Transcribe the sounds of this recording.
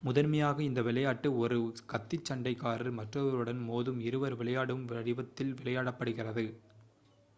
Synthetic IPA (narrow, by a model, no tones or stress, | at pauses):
mʊðɐɾmɐjaːɣɐɪnd̪ɐʋɪɭɐjaːʈːɯɔɾɯkɐt̪ːɪt͡ʃːɐɳɖɐɪkːaːɾɪɾmɐʈrɐʋɐɾɯɽɐnmoːðɯmɪɾɯʋɐɾʋɪɭɐjaːɽɯmʋɐɾɪʋɐt̪ːɪlʋɪɭɐjaːɽɐpːɐɽɯɣɪrɐðɯ